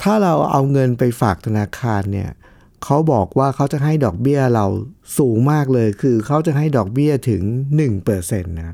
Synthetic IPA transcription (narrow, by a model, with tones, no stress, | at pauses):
t̪ʰaː˥˩ɾa˧wʔa̰˧wŋɤ˧npa˧jfaː˨˩k̚t̪ʰa˧naː˧kʰaː˧nːi˥˩ɐ | kʰa˦˥wbɔː˨˩k̚waː˥˩kʰa˦˥wt͡ɕa˨˩ɦa˥˩jdɔː˨˩k̚bi˥˩ɐɾa˧wsuː˩˦ŋmaː˥˩k̚lɤː˧jkʰɯː˧kʰa˦˥wt͡ɕa˨˩ɦa˥˩jdɔː˨˩k̚bi˥˩ɐt̪ʰɯ˩˦ŋnɯ˨˩ŋpɤː˨˩se˧nːa˦˥